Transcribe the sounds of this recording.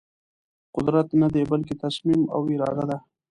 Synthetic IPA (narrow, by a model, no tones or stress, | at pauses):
qʊd̪ɾat̪nad̪ebalket̪asmima̰wɪɾɑ̰ːd̪ad̪a